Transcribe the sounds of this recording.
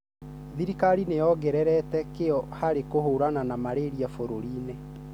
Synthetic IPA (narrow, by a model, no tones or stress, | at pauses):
ðiɾikaɾinejɔɡɛɾɛɾɛtɛkejɔhaɾekohoɾananamaɾeɾiafoɾoɾiːnɛ